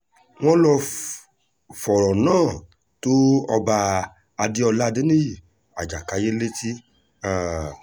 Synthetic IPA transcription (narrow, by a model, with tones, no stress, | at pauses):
w̃ɔ̃˦lɔ˧ | fɔ˨ɾɔ̃˨nãː˦˨ | to˦ɔ˧ba˧ | a˧di˦ɔ˧la˦˧di˦nĩ˦ji˦˨ | a˨d͡ʒa˨ka˨˦je˦le˦ti˦ | a˦˨